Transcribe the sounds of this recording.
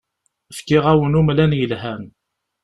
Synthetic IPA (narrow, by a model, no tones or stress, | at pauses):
fkɪʁæwənumlænjəlɦæn